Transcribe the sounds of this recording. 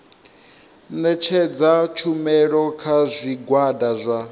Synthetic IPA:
nɛt͡ʃʰɛd͡zat͡ʃʰumɛɺɔkʰazʷiɡwadazʷa

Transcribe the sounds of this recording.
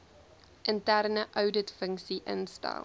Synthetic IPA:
ʔəntærnəʔœwdətfəŋksiʔə̰nsta̰l

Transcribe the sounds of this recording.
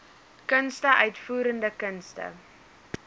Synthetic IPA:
kənstəʔœɥtfuːɾəndəkənstə̰

